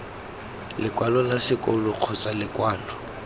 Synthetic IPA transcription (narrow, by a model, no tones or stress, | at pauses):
lɪkʼwalɔlasɪkʼɔlʊq͡χʰɔt͡sʼalɪkʼwaːlɔ